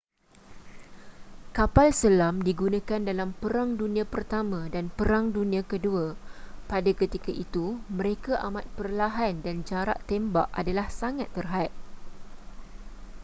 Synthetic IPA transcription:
kapalsəlamdiɡunãkandalampəɾaŋdunĩãpərt̪amãdanpəɾaŋdunĩãkəduapadakət̪ikaʔit̪umə̃ɾekaʔamat̪̚pərlaɦandand͡ʒaɾa̰ʔt̪embaʔʔa̰dalahsaŋat̪ːərɦat̪̚

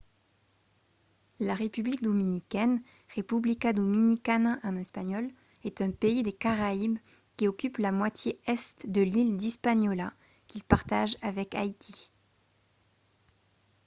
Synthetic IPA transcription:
laʁepyblik̚d̪ɔminikʲɛn | ʁepyblikad̪ɔminikanaʔɑ̃nɛspaɲɔl | ɛt̪ɛ̃peid̪ekaʁaib | kʲiɔkʲyplamwat̪jeɛst̪d̪əlild̪ispaɲɔla | kʲilpaʁt̪aʒavɛka̰it̪ʰi

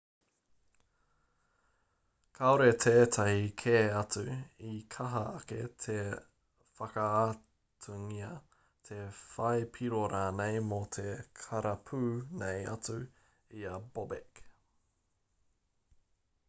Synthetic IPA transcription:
kʰaoɾet̪ʰeːtʰɐhikʰeːɐt͡sʉikʰɐɦɐːketʰe | fɐkɐa | tʰuŋiɐ | tʰefɐjpʰiɾoɾaːnejmot̪ʰekʰɐɾɐpʰʉːnejɐ̰t͡sʉ | iɐbobek

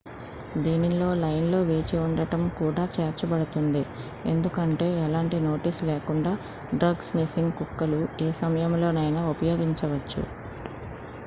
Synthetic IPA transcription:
d̪iːnilo̞ːlɐjnlo̞ːʋe̞ːt͡ʃiuɳɖɐʈɐmkuːɽaːt͡ʃeːɾt͡ʃɐbɐɽut̪und̪i | e̞̰nd̪ukɐɳʈe̞ːɛlaːɳʈino̞ːʈiːsleːkuɳɖaː | ɖɾɐɡsnifiŋɡkukːɐlueːsɐmɐjɐmlo̞ːnɐjnɐupɐjo̞ːɡiɲt͡ʃɐʋɐt͡ʃːṵ

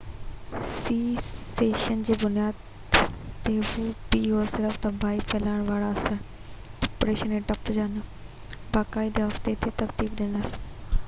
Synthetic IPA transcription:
siːseːʃənd͡ʒeːbʊnɪjaːd̪ | t̪eːʋuːpiːɦoːɾsɪɾəfʰt̪ãːbʱaːipʰɛːlaːɳ̃ʋaːɭaːəsəɾ | ɔpɾeːʃəneːʈəpd͡ʒaːnaː | baːkaːiːd̪eːʋəkt̪eːt̪ʰeːt̪əkt̪iːkd̪eːnal

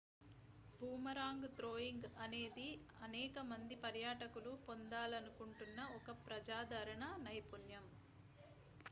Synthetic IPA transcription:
bʱuːmɐɾaːŋɡt̪ɾoːjiŋɡɐne̞ːd̪i | ɐnɛːkɐmɐnd̪ipɐɾjaːʈɐkulupo̞nd̪aːlɐnukuɳʈunːɐɔkɐpɾɐd͡ʒaːd̪ʱɐɾɐɳɐnɐjpunjɐm

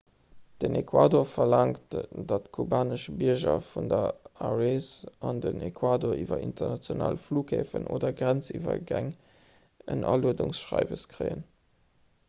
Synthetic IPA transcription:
d̥ənekʰwaːdoːɐfɐlaŋtd̥ɑtkʰubaːnəʃbiɐʑɐfundɐaʁesʔɑndənekʰwaːdoːɐiːvɐintɐnɑt͡sjona̰ːlfluːkʰheːfənʔo̰ːdɐɡʁænt͡sivɐ̰ɡæŋ | ənʔɑluədʊŋsʃʁɑɪvəskʁəɪən

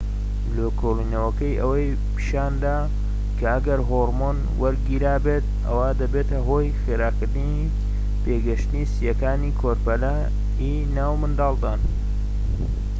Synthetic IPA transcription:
loːkʰolinɐwɐkɐjɐwɐj | pʰʃaːnd̪aː | kʰɐʔɐɡɐɾɦoɾmon | wɐɾɡiɾaːbeːt̪̚ʔɐ̰waːd̪ɐbeːt̪ʰɐɦo̞ːjxeːɾaːkɨɾd̪ɨni | peːɡɐʃt̪ɨniːsijɐkaːniːkʰoːɾpɐla | i | naːwmɨnd̪ɑːlˠd̪aːn

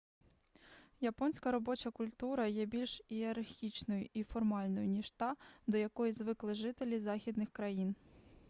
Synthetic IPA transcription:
japɔnʲsʲkɐɾɔbɔt͡ʃɐkʊlʲt̪uɾɐjɛbʲilʲʃiɐɾxʲit͡ʃnɔjʊʔifɔrmɑlʲnɔjʊnʲiʃt̪ɑd̪ɔjakɔjizʋɪklˠɪʐɪt̪elʲizɑxʲid̪nɪxkɾajin

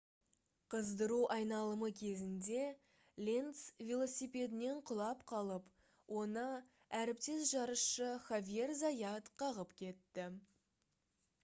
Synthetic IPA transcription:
qʰəzd̪əɾuʔɑjnɑlˠəməkʲʰe̞zɪnd̪e̞ | lʲent̪svʲelˠo̞sijpʲe̞d̪ɪne̞ɴqʰʊlˠɑpqʰɑlˠəp | wʔo̞nə | æɾɪpt̪e̞s̬ʒɑɾəsʃəχavʲije̞rzajɑt̪qʰɑʁəpkʲʰe̞t̪ːɪ

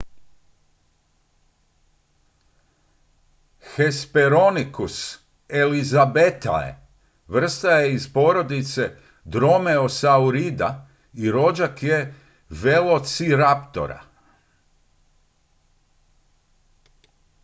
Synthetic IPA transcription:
xe̞speɾo̞nikus | elizabet̪a̰ḛ | ʋr̩st̪ajeizpo̞ːɾo̞d̪it̪se̞ | d̪ɾo̞me̞o̞sauɾid̪a̰ | iɾo̞d͡ʒakje̞ | ʋelˠo̞t̪siɾapt̪o̰ɾa̰

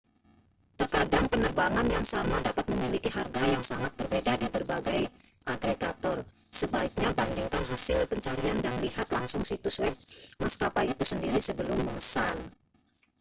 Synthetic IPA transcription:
t̪ərkadaŋpənərbaŋanjaŋsamadapat̪̚məmilikiɦarɡajaŋsaŋat̪̚b̥ərbedadibərbaɡajʔaɡɾeɡat̪ɔr | səbaik̚ɲabandiŋkanɦasɪlpəɲt͡ʃaɾiandanliɦat̪laŋsʊŋsit̪uswɛp̚maskapait̪usəndiɾisəbəlʊmːəŋəsan

